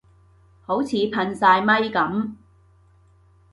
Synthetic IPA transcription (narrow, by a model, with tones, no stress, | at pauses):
ho˨˥wt͡sʰiː˨˧pʰɐ˧nsaː˧jmɐ˥jkɐ˨˥m